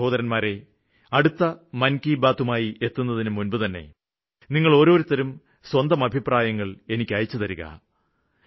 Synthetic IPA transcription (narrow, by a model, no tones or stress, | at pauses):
o̞ːðɐɾɐnmaːɾe̞ | ɐɽut̪ːɐmɐnkiːbaːt̪ːumaːjie̞t̪ːunːɐðinɨmunbut̪ɐnːe̞̰ | niŋːɐɭo̞ːɾo̞ːɾut̪ːɐɾum | swɐnd̪ɐmɐbʱipraːjɐŋːɐɭe̞nikʲːɐjɐt͡ɕːut̪ɐɾuɣɐ̰